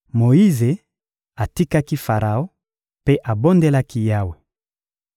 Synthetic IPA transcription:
mo˨i˦ze˨ | a˨ti˦ka˦ki˦fa˨ʁa˨o˦ | pe˦ʔa˨bo˦nde˦la˦ki˦ja˦we˨

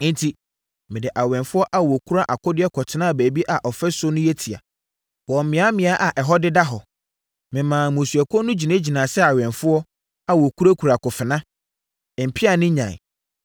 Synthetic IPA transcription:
n̩˦tʰi˦ | mɪ̃˨dɪ˨ʔa˨wɛ̃˨nfʊ˦ɔ˦ʔa˦wɔ˨kʰu˦ɾa˦ʔa˨kʰʊ˦dɪ˦ɛ˦kʰɔ˨tʰɪ˨˦nã˦˨bæː˨bi˦ʔa˨ʔɔ˨fɛ˦sʊ˦nʊ̃˦jɛ˦tʰi˨a̰˨ | wɔ˨m̩˨mɪ̃˨˦a˦mɪ̃˨˦a˦ʔa˨ʔɛ˨ɦɔ˦dɪ˦da˦ɦɔ˨ | mɪ̃˨mãː˨mũ˨su˨æ˨kʰɔ˦nʊ̃˦d͡ʑi˨nã˦d͡ʑi˨nã˨sɛ˦a˨wɛ̃˨nfʊ˦ɔ˦ | a˦˨wɔ˨kʰu˦ɾa˦kʰu˨ɾa˨kʊ˨fɪ˨nã˦˨ | m̩˨pʰi˦a˨nɪ̃˦ɲã̰˨

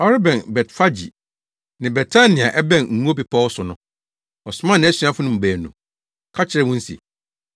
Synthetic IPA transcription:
ɔ˦ɾɪ˦bɛ̃˨nbɛ˨tfa˦d͡ʑḭ˨ | nɪ̃˨bɛ˨tʰa˦nɪ̃˨a˨ʔɛ˦bɛ̃˦˨nŋ̩˨ŋu˦o˦pi˨pʰɔ˦ɔ˦sʊ˨nʊ̃˨˦ | ɔ˨sʊ˨˦mã˦nɪ̃˨˦æ˦si˦ã˦fʊ˦nʊ̃˨m̩˨bæː˨nːṵ̃˨ | kʰa˦t͡ɕʰɪ˨ɾɛ˦wʊ̃˦n̩˦sḭ˨

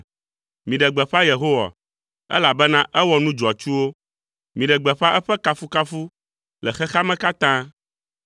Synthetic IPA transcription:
mĩ˨ɖɛ˨ɡ͡bɛ˨ɸa˦je˨ɦo˦wa̰˨ | ɛ̰˦la˨bɛ˦nã˦ʔɛ˦wɔ˨nũ˦d͡ʒɔ˨a˨t͡ʃu˦wo˦ | mĩ˨ɖɛ˨ɡ͡bɛ˨ɸa˦ʔɛ˦ɸɛ˦ka˦fu˦ka˦fu˦ | lɛ˨xɛ˦xa˦mɛ̃˦ka˦t̪ã˦

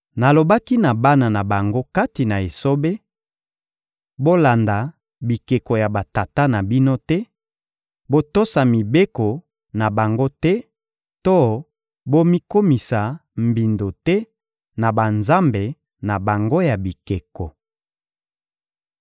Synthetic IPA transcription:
na˨lo˨ba˦ki˦na˨ba˦na˨na˨ba˨ŋɡo˦ka˦ti˨na˨e˨so˦be˦ | bo˦la˨nda˨ | bi˨ke˨ko˨ja˨ba˨ta˨ta˦na˨bi˦no˦tɛ˦ | bo˦to˦sa˨mi˨be˦ko˨ | na˨ba˨ŋɡo˦tɛ˦ | to˦ | bo˦mi˦ko˦mi˨sa˨m̩˨bi˨ndo˨tɛ˦ | na˨ba˨nza˦mbe˨ | na˨ba˨ŋɡo˦ja˨bi˨ke˨ko˨

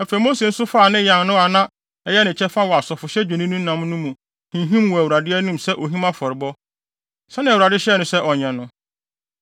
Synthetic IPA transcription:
ɛ˨fe˨˦mo˦se˨n̩˦sʊ˦fa˦˨nɪ̃˦jã˨nnʊ̃˦a˨nã˦ | ɛ˨jɛ˦nɪ̃˨t͡ɕʰɛ˦fa˦wɔ˨a˨sɔ˨fʊ˨ɕɛ˦d͡ʑᶣɛ̃˨nĩ˦nũ˦nã˨mnʊ̃˦mũ˨ | hĩ˨ɦĩ˦mwɔ˨æ˨wu˨ɾa˨dɪ˦ɛ˦nũ˦msɛ˦ʔo˨ɦĩ˦mã˦fɔ˨ɾɪ˨bɔ˦ | sɛ˦nɪ̃˨æ˨wɾa˨dɪ˦ɕɛ˦˨nʊ̃˨sɛ˦ʔɔ˨ɲɛ̃˨nʊ̃˦

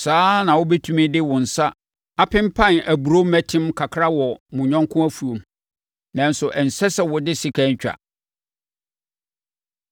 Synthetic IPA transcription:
saː˦nã˨wʊ˦bɛ˦tʰũ˦mĩ˦dɪ˦wʊ̃˨n̩˨sa˦ | a˦pʰɪ̃˦m˦pʰã˦˨næ˨bu˨ɾo˦mæ˦tʰɪ̃˦mkʰa˨kʰɾa˦wɔ˨mʊ̃˨ɲᶣã˦ŋ˦kʰʊ̃˦æ˦fu˨õ˨m | nã˨n˦sʊ˨ʔɛ˨n̩˨sɛ˦sɛ˨wɔ˨dɪ˦si˨kʰæ˦ɲ˦t͡ɕᶣa̰˨

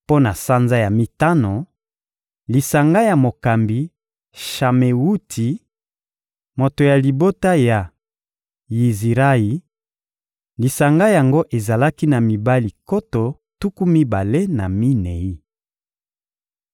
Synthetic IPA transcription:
po˦na˨sa˦nza˦ja˨mi˦ta˦no˨ | li˨sa˨ŋɡa˦ja˨mo˨ka˨mbi˨ | ʃa˨me˨wu˦tʰi˨ | mo˨to˨ja˨li˨bo˦ta˦ja˨ | ji˨zi˨ʁa˦i˨ | li˨sa˨ŋɡa˦ja˨ŋɡo˦ʔe˨za˨la˦ki˦na˨mi˨ba˦li˨ko˦to˨ | tu˦ku˦mi˦ba˨le˦na˨mi˦ne˨i˦

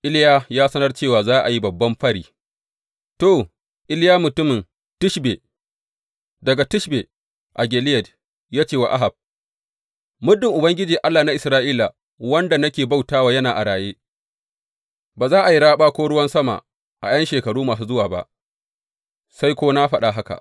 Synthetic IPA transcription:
ʔɪ˦ljaː˦jaː˦sɐ˦nɐ˦rt͡ʃeː˦˨waː˨zaː˦ʔa˨ji˦bɐ˨bːɐ˦mɸɐ˦ɽiː˨ | to˨ | ʔɪ˦ljaː˦mʊ˨tʊ˦mɪ˨n | tʊ˦ʃbe˨ | dɐ˨ɡa˨tʊ˦ʃbe˨ | ʔa˨ɡʲeː˨lɪ˦jɛ˨d | jaː˦t͡ʃeː˦˨wa̰˨ʔa˦ɦa˨b̚ | mʊ˦dːɪ˨ŋʔʊ˨bɐ˦ŋɡʲɪ˦d͡ʒiː˨ʔa˦lːaː˨na˦ʔɪ˨sɾaː˦ʔiː˦la˨ | wɐ˦nda˨nɐ˦kʲeː˨ba˦wtaː˦waː˨jɐ˦naː˨ʔa˨ɽaː˨jeː˦ | baː˨zaː˦ʔa˨ji˦ɽaː˦ɓaː˦kʷoː˦ɽʊ˦wɐ˦nsɐ˦ma̰˨ | ʔa̰˨jɐ˦nʃeː˨kɐ˨ɽuː˦maː˨s̬uː˦zʊ˦waː˨ba̰˦ʔ | sa˦jkʷoː˦na˦ɸɐ˦ɗa˨ɦa˦ka̰˨ʔ

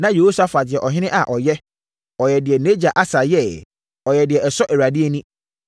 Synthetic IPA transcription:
nã˦je˨ho˦sa˦fa˨dɪ˨ɛ˨ʔɔ˨ɦɪ̃˦nɪ̃˦ʔa˨ʔɔ˨jɛ˦ | ɔ˨jɛ˨dɪ˨ɛ˨ne˦d͡ʑa˨ʔa˦sa˨jɛ˦˨ | ɔ˨jɛ˨dɪ˨ɛ˨ɛ˨sɔ˦ʔɛ˨ɾa˨dɪ˦ɛ˦nĩ˦

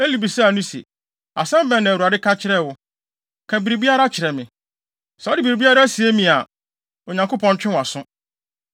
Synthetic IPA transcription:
e˦li˨bi˨sɛ˦˨nũ˦sḛ˨ | a˨sɛ̃˦m˦bɛ˨nã˨wu˨a˨dɪ˦kʰa˦t͡ɕʰɪ˦ɾɛ˦˨wʊ˦ | kʰæ˨bi˨ɾi˨bi˦a˦ɾa˦t͡ɕʰɪ˨ɾɛ˨mɪ̃˨ | sɛ˨˦ɔ˦dɪ˨bi˨ɾi˨bi˦a˦ɾa˦si˨e˦mĩ˨a˨ | o˨ɲã˨ŋko˦pʰɔ̃˦n˦t͡ɕᶣɪ̃˦wa˨sʊ̃˦

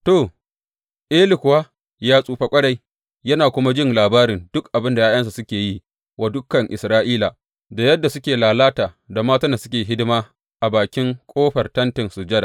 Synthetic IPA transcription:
to˨ | ʔeː˦lɪ˨kʷʊ˨waː˦ | jaː˦sʼuː˦ɸa˦kʷʼɐ˦ɽa˨j | jɐ˦naː˨kʷʊ˦ma˦d͡ʒɪ˦nlaː˨baː˦ɾɪ˨nd̥ʊ˦kʔa˨bɪ˦nda˨jaː˦j̰ɐ˦ns̬a˨sʊ˦kʲeː˨ji˦ | wa˨dʊ˦kːɐ˨ŋʔɪ̰˨sɾaː˦ʔiː˦la˨ | da˨jɐ˦dːa˨sʊ˦kʲeː˨laː˨laː˦taː˨ | da˨maː˦ta˦nda˨sʊ̥˦kʲeː˨ɦɪ˦dɪ˦maː˦ | ʔa˨baː˨kʲɪ˦ŋkʷʼoː˦ɸɐ˨rtɐ˦ntɪ˨nsʊ˨d͡ʒɐ˦da̰˨

